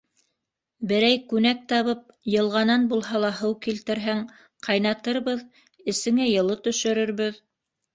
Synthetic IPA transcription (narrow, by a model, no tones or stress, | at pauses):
bɘ̆ɾæjkʉnæk̚t̪ɑβɤp̚jɤ̆lˠʁɑnɑnbulˠɦɑlˠɑɦɤwkilt̪ɘ̆ɾɦæŋ | qʰɑjnɑt̪ɤɾβɤð | ɘ̆sɘ̆ŋæjɤ̆lˠɤt̪ɵ̆ʃɵ̆ɾɵ̆ɾβɘð